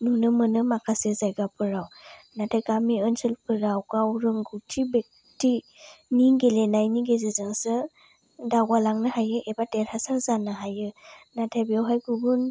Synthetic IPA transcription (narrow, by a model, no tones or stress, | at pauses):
nunɯmɯnɯmakʰasezajɡapʰɯɾawnatʰaɡamiɯnsɯlpʰɯɾawɡawɾɯŋɡutʰibek̚ | ti | niŋɡelenajniɡezɯzɯŋsɯ | dawalaŋnɯhajɯʔebateɾhasaɾzanɯɦajɯnatʰabiawɦajɡubun